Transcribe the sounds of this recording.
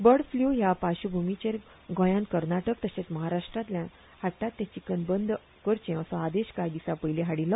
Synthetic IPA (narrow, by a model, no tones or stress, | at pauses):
bəɽfljujapaɕubʱumit͡ɕeɾ | ɡʱõjãnt̪kəɾnaʈək̚t̪əɕẽt͡sməɦaɾaʂʈɾãt̪ljã | haʈːat̪ːãt͡ɕikənbənd̪ | kəɾt͡ɕẽəsɔad̪eɕkajd̪isapəjleɦaɽilːɔ